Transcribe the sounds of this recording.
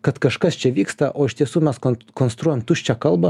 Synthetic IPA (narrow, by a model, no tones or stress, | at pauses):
kɐt̪kɐʃkɐst͡ʃʲɛʋʲiːkst̪ɐʔʔoːɪʃʲt̪ʲiɛsuːmʲɛskokonst̪ɾuːjɛmt̪uʃʲt͡ʃʲɛkɐlˠbɐ